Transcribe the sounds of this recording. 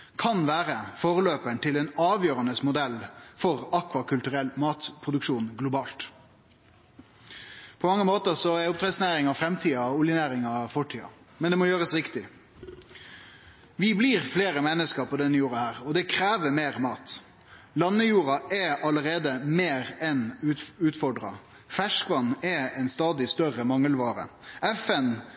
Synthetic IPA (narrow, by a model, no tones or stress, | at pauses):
kʰɑnʋæːɾəfoːʁəløːpəɳt̪ʰɪlɛnɑːʋjøːɾɑnəsmʊd̪ɛlːfɔʁɑkʰʋɑkʰʉlt̪ʉʁɛlmɑːt̪pʰʁʊd̪ʉkʂuːnɡlʊbɑːlt̪ | pʰɔmɑŋːəmoːt̪əʁsɔɛʊpt̪ʰɾɛd̪snæɪɾɪŋɑfɾɛmt̪ʰiːɑʊljɪnæːɾɪŋɑfɔʈʰiːɑ̰ | mɛnd̪ɛmɔjøːʁəsʁɪkt̪ɪ | ʋɪbliːʁfleːɾəmɛnːəskəɾpʰɔd̪ɛnːəjuːɾɑhæːɾɔd̪ɛkʰɾeːʋəmeːʁmɑːt̪ | lɑnːəjuːɾɑʔɛʔɑləʁeːd̪əmeːɾɛnʉːt̪fɔɖɾɑ̰ | fæʂkʋɑnːɛɛnst̪ɑːd̪ɪst̪œʁəmɑŋːəlʋɑːɾə̰ɛfɛn